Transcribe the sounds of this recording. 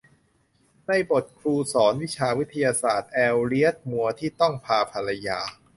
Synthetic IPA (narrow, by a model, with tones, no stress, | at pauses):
na˧jbo˨˩t̪̚kʰɾuː˧sɔː˩˦nwi˦˥t͡ɕʰaː˧wi˦˥t̪ʰːa˧jaː˧saː˨˩t̪̚ʔɛː˧wɾi˦˥ə˩t̪̚mu˧ɐt̪ʰiː˥˩t̪ɔ˥˩ŋpʰaː˧pʰa˧la˧jaː˧